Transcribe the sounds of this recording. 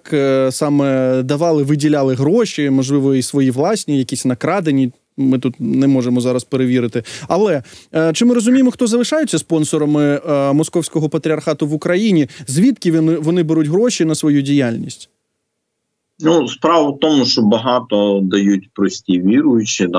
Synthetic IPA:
ksɑmɛd̪ɐʋɑlˠɪʋɪdʲilʲalˠɪɦɾɔʃʲimɔʒlˠɪʋɔisʋɔjiʋlˠɑsʲnʲijɐkʲisʲnɐkɾɑd̪enʲːi | mɪt̪ut̪nɛmɔʒemɔzɑɾɐspeɾeʋʲiɾɪt̪ɪɐlˠɛt͡ʃɪmɪɾɔzʊmʲijemɔxt̪ɔzɐlˠɪʃɑjʊt͡sʲːɐspɔnsɔɾɐmɪmɔskɔwsʲkɔɦɔpɐt̪ɾʲiɐrxɑt̪ʊʋʊkɾɐjinʲizʲʋʲit̪kʲiʋʲnɪʋɔnɪbɛɾutʲɦɾɔʃinɐsʋɔjudʲijalʲnʲisʲtʲ | nuspɾɑʋʊt̪ɔmʊʃt͡ʃɔbɐɦɑt̪ɔd̪ɐjutʲpɾɔsʲtʲiʋʲiɾʊjʊt͡ʃid̪

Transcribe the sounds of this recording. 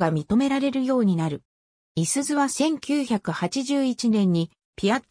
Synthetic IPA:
ɡamʲit̪o̞me̞ɾaɾe̞ɾɯ̟jo̞ːɲ̟inaɾɯ̟ | isɨzɨβasẽ̞ŋkʲɨːçakɯ̟hat͡ɕiʑɨːit͡ɕinẽ̞ɲ̟ːi | pʲia

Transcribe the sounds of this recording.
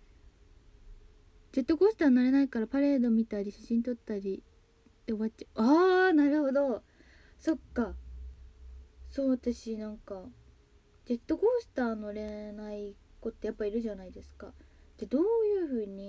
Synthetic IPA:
d͡ʑe̞t̪ːo̞ɡo̞ːsɨ̥t̪aːnoɾe̞naikaɾapaɾe̞ːd̪o̞mʲit̪aɾʲiɕaɕĩnt̪o̞t̪ːaɾʲi | t̪eoβatt͡ɕaɯ̟aːnaɾɯ̟ho̞d̪o̞ | so̞kːa | so̞ːβat̪aɕinãŋka | d͡ʑe̞t̪ːo̞ɡo̞ːsɨ̥t̪aːnoɾe̞nai | ko̞t̪ːejapːaiɾɯ̟ʑanaid̪e̞sɨ̥kad̪̥ed̪o̞ːjɯ̟ːɸɯ̟ːɲ̟i

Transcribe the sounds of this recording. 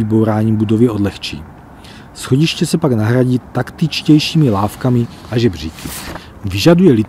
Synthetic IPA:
ibowɾaːɲimbudovjɛo̞dlɛxt͡ʃḭː | sxo̞ɟiʃcɛsɛpaɡnaɦɾaɟiːt̪akt̪it͡ʃcɛjʃiːmilaːfkamɪ | ʔaʒɛbr̝iːkʰi | vɪʒadujɛlit̪

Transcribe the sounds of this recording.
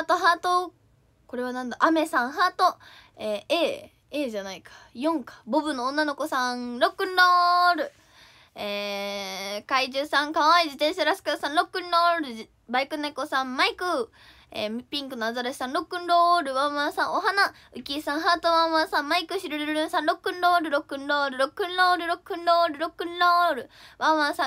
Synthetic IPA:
at̪oɦaːt̪o | ko̞ɾe̞β̞anãnd̪aʔame̞sãɰ̃ɦat̪o̞ | eːeː | eːʑanaikḁjõ̞ŋkḁbobɯ̟nːõːnːano̞ko̞sãɾo̞kːɯ̟nɾoːɾɯ̟ | eː | kaiʑɨːsãŋkaɰaid͡ʑit̪ẽɕaɾasɨ̥kɯd̪asãnɾo̞kːɯ̟nɾoːɾɯ̟ | baikɯ̟nːaikosãmmaikɯ̟ | ḛpʲĩŋkɯ̟noazaɾaɕi̥sãnɾo̞kːɯ̟̃nɾoːɾɯ̟βãɰ̃βãsãɰ̃oɦana | ɯ̟kʲiːsãɰ̃ɦaːt̪oβãɰ̃βãsãmmaikɯ̟ɕiɾoɾɯɾɯɾɯ̟̃ɰ̃sãnɾo̞kːɯ̟̃nɾoːɾɯ̟ɾo̞kːɯ̟̃nɾoːɾɯ̟ɾo̞kːɯ̟̃nɾoːɾɯ̟ɾo̞kːɯ̟̃nɾoːɾɯ̟ɾo̞kːɯ̟̃nɾoɾɯ̟βãɰ̃βãsã

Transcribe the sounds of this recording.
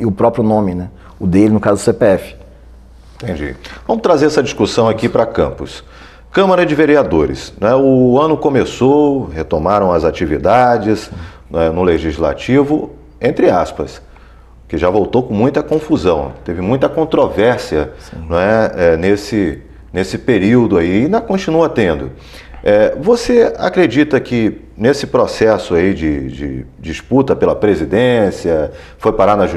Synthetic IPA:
ɪʊpɾɔpɾjʊnõmɪnɛ | ʊd̪elɪnʊkazʊd̪ʊsepeɛfɪ̥ | ĩt̪ẽd͡ʒḭvɐ̃mʊst̪ɾazeɾɛsɐd͡ʒiskusɐ̃w̃akipɾɐkɐ̰̃pʊs | kɐ̃maɾɐd͡ʒɪveɾiad̪oɾɪ̰sñɛʊɐ̃nʊkõmesohet̪omaɾɐ̃w̃ɐzat͡ʃivid̪ad͡ʒɪzñɛnʊleʒizla̰t͡ʃivʊ | ẽnt̪ɾɪaspɐs | kɪʒavowt̪owkõmũj̃t̪ɐkõfuzɐ̃w̃t̪evɪmũj̃t̪ɐkõnt̪ɾovɛɾsiɐ̃ɛɛnesɪ | nesɪpeɾiwd̪ʊaiɪnɐkõt͡ʃinuɐt̪ẽnd̪ʊ | ɛvosea̰kɾed͡ʒit̪ɐkɪ | nesɪpɾosɛsʊaid͡ʒɪd͡ʒɪ̰d͡ʒisput̪ɐpelɐpɾezid̪ẽsiɐ | fojpaɾanɐʒu

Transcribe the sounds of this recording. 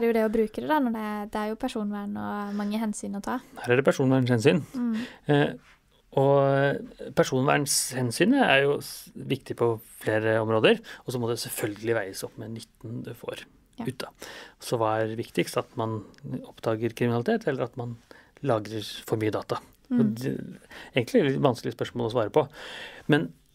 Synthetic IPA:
ɖjʊd̪ɛɔbɾʉːkəd̪ɛd̪ɑnɔɖɛd̪ɛæɾjʊpʰæʂuːnʋæːɳɔmɑŋːəɦɛnsyːnɔt̪ʰɑːhæːɾæɖɛpʰæʂuːnʋæːɳshɛnsyːn | ɔ | pʰæʂuːnʋæ̰ːɳshɛnsyːnəæɾjʊʋɪkt̪ɪpʰɔfleːɾəɔmɾoːd̪əɾɔsɔmɔd̪ɛsɛlfœlɡəlɪʋæɪəsɔpːmɛnʏt̪ːn̩d̪ʉfo̰ːɾ | ʉːt̪ːɑsɔʋɑːæɾʋɪkt̪ɪkst̪ɑt̪mɑnɔpːd̪ɑːɡəɾkʰɾɪmɪnɑlɪt̪eːt̪ʰɛlːəɾɑt̪mɑnlɑːɡɾəɾfɔɾmyːəd̪ɑːt̪ɑ | ɔd̪ɛ̰eːɡənt̪lɪlɪʋɑnsklɪəspœʂmoːlɔsʋɑːɾəpɔmɛn

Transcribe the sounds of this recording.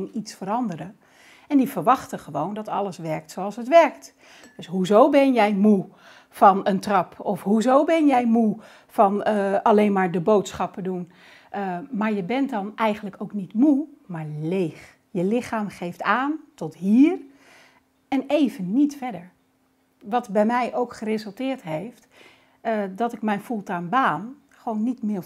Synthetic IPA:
nitsfəɾɑndəɾə | ɛndivəɹʋɑχtəχəʋowndɔtɑ̰ləsʋɛɹk̚tsowɑlˠsɦətʋɛɹk̚t | d̥ɵsɦuzowbɛnjɛjmu | fɑnəntrɑpʰɔfɦuzowbɛnjɛjmu | fɑnɑlenmaːɹdəbowtsχɑpədun | maːɹjəbɛntdɑnɛjχənləkowknitmu | maːɹlejχ | jəlɪχaːmχejftaːntɔtɦiːr | ɛnejvənːitfɛdəɹ | ʋɑtbɛjmɛjʔowkχərɪzəlˠtɪːɹtɦejft | dɔtɪk̚mɛjnfulˠtaːnbaːn | χəʋownːitmɪ

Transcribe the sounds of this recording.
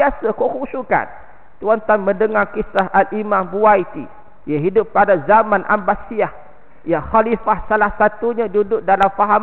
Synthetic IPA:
asəkukusuka̰n | t̪uant̪anmə̃ndəŋarkisaɦʔalimãmbuajt̪ḭ | jaɦidʊpːadazamãnʔa̰mbasiah | jaxalifahsalahsat̪uɲãdudʊʔ̚dalamfaɦa

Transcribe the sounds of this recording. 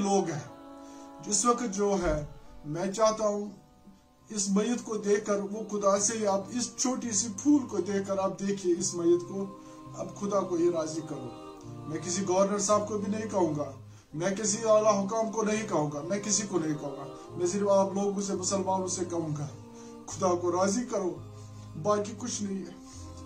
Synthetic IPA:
loːɡɦɛː | d͡ʒɪswɐkət̪̚d͡ʒoːɦɛːmɛ̃ːt͡ʃaːɦt̪aɦũ | ɪsmɐjət̪kod̪eːkʰkəɾʋoxʊd̪aseɦiaːpɪst͡ʃʰoːʈisipʰuːlkod̪eːkʰkəɾaːp̚d̪eːkʰieɪsmɐjːət̪ko | ɐ̰bxʊd̪akoɦiɾaːzikɐɾũː | mɛ̃k̬ɪsiɡɔːəɾnəɾsaːb̚kobʱinɐɦĩkɐɦũːŋɡaː | mɛ̃ːkɪs̬iaːlaɦʊkaːmkonɐɦĩkɐɦũːɡamɛ̃ːkɪsikonɐɦĩkɐɦũːŋɡaː | mɛ̃ːs̬ɪɾfaːploːɡõs̬emʊsəlmaːnʊsekɐɦũːɡaː | kʰʊd̪akoɾaːzikɐɾoː | baːkikʊt͡ʃʰnɐɦĩɛː

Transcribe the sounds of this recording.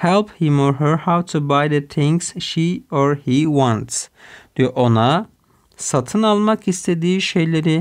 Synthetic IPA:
hɛlˠphɪ̃mɔɹɦəɹhawt̪ʰubajd̪ɨt̪ʰɪ̃ŋksʃiɔɹhiwãnt̪sd̪̥ioʔona | sat̪ʰɯnalˠmakist̪ʰe̞d̪iːʃejlʲeɾɪ

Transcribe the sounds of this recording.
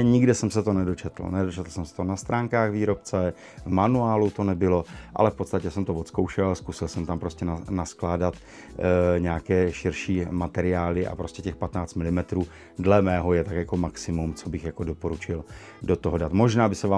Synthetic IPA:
ɲɪɡdɪsɛmsɛt̪onɛdo̞t͡ʃɛt̪l̩̰nɛdo̞t͡ʃɛt̪l̩sɛmsɛ̥t̪onast̪ɾaːŋkaːɣviːɾo̞p̚t͡sɛ | vmanuaːlut̪o̞nɛbɪlo̞ʔa̰lɛfpo̞t̪st̪acɛsɛmt̪ovot̪skowʃɛlskusɪlsɛmt̪ampɾoscɛnnasklaːdat̪ | ɲɛakɛːʃɪɾʃiːmat̪ɛɾɪaːlɪʔa̰pɾoscɛcɛxpat̪naːt͡st̪mɪlɪmɛt̪ɾuː | dlɛmɛːɦo̞jɛt̪akjakomaksɪmumt͡so̞bɪxjako̞dopo̞ɾut͡ʃɪl | dot̪oɦodat̪mo̞ʒnaːbɪsɛvaː

